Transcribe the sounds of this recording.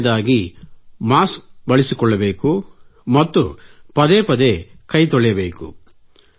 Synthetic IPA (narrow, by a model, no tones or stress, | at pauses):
d̪aːɡimaːsk̚bɐɭisikɔɭːɐbe̞ːkumɐt̪ːupɐd̪eːpɐd̪ekɐjt̪ɔɭɛjɐbeːkṵ